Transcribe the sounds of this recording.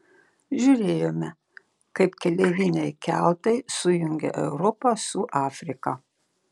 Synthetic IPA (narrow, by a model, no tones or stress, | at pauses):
ʒʲʊɾʲeːjoːmʲɛ | kɐɪpkʲɛlʲɛʋʲiːnʲɛɪkʲælˠt̪ɐɪsʊjʊŋʲɡʲɛ̰ʔɛʊɾɔpɐsʊʔɑːfʲɾʲɪkɐ